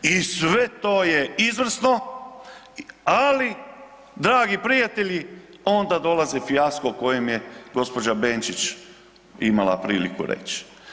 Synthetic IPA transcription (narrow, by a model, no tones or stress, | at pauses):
isʋe̞t̪oːjeizʋr̩sno | ali | d̪ɾaːɡipɾijat̪eʎi | o̞nd̪ad̪o̞lazefiaskoko̞je̞mjeɡo̞spo̞d͡ʒabeːnt͡ʃit͡ʃ | imala̰pɾiːlḭkṵɾḛt͡ʃ